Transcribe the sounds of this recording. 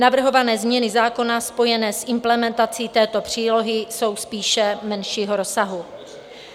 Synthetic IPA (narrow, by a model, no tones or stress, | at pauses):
navr̩ɦo̞vanɛːzmɲɛnɪzaːko̞naspo̞jɛnɛːsʔɪmplɛmɛnt̪at͡siːt̪ɛːt̪o̞pr̝̥iːlo̞ɦɪso̞wspiːʃɛmɛnʃiːɦoɾo̞saɦu